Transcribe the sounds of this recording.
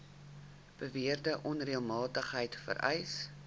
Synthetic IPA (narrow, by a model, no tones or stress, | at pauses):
b̥əviərdəʔɔnriəlˠmɑːtəχɦəjtfə̰ɾʔɛjs